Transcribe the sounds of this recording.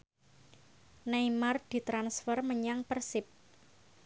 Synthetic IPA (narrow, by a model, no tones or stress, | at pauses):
nejmard̪̥i̤t̪ɾansfərməɲaŋpərsɪp̚